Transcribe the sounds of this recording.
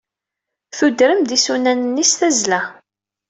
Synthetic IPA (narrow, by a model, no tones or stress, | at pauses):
θud̪ɾəmd̪isunænənːisθæzlæ